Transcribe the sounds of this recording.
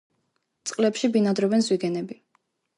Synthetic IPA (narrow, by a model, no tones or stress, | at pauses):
t̪sʼqʼlɛpʃibinad̪ɾɔbɛnzwiɡɛnɛbi